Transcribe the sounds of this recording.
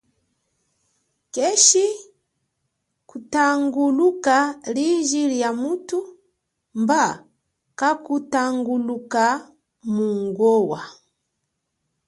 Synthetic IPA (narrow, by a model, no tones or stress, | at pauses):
kɛʃi | kutaŋɡulukaliʒiljamutu | mba | kakutaŋɡuluka | muŋɡɔwa